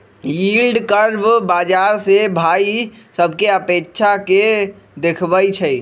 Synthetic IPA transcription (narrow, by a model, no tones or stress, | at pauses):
iːlɖkəɾbbaːd͡ʒaːɾsebʱaːi | səbʱkeəpeːkʃʰake | d̪ekʰbəit͡ʃʰəi